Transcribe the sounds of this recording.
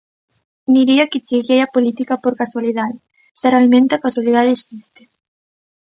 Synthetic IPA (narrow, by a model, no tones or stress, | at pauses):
niɾiakɪt͡ʃiɣejapolit̪ikapoɾkaswaliðaðe | saɾalmẽnt̪akaswalið̞aðeeksist̪e̥